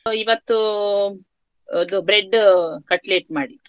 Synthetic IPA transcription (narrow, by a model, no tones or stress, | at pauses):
iʋɐt̪ːu | ɐd̪ubɾeɖkɐʈleːp̚maːɽit̪ː